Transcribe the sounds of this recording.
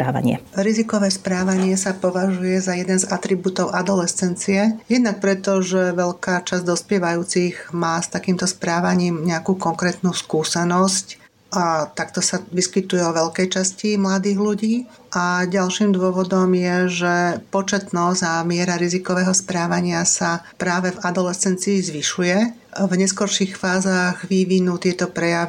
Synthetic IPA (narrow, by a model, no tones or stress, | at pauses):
pɾaːʋa̰ɲɪɛ̰ɾizikɔʋɛːspɾaːʋaɲɪɛsapɔʋaʒujɛzajɛd̪ɛnzat̪ɾibuːt̪ɔʊʔad̪ɔlɛst͡sɛnt͡siɛjɛd̪nak̚pɾɛt̪ɔʒɛʋɛʎkaːt͡ʃazd̪ɔspɪɛʋajuːt͡siɣmaːst̪akiːmt̪ɔspɾaːʋaɲiːmɲɛakuːkɔŋkɾɛːt̪nuːskuːsɛnɔsc | ʔat̪akt̪ɔsaʋiskit̪ujɛɔʋɛʎkɛjt͡ʃascimlad̪iːɣluɟiː | ʔaɟalʃiːmd̪ʊɔʋɔd̪ɔmjɛʒɛpɔt͡ʃɛt̪nɔzɟamɪɛɾaɾizikɔʋɛːɦɔspɾaːʋaɲɪasapɾaːʋɛvad̪ɔlɛt͡sɛnt͡siːzʋiʃujɛ | vɲɛskɔɾʃixfaːzaːɣʋiʋinuːt̪ɪɛt̪ɔpɾɛjaʋi